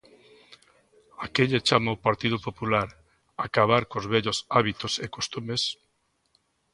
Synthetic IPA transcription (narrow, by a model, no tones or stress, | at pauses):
akeʎet͡ʃamaopaɾt̪ið̞ʊpopulaɾ | akaβ̞aɾkozβɛʎosaβit̪osekost̪umes